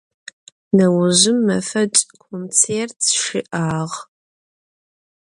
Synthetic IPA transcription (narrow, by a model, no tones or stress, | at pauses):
nɐwʊʒʷʊmːɐfɐt͡ʃʼkʰont͡sʰeːrtʰʃɪʔaːʁ